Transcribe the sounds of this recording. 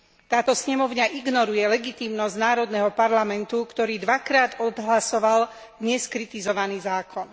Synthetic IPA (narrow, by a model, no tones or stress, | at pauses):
t̪aːt̪ɔsɲɛmɔʊɲaʔiɡnɔɾujɛlɛɡit̪iːmnɔznaːɾɔd̪nɛɦɔpaɾlamɛnt̪ukt̪ɔɾiːd̪ʋakɾaːd̪ɔd̪ɦlasɔʋal | d̪ɲɛskɾit̪izɔʋaniːzaːkʰɔn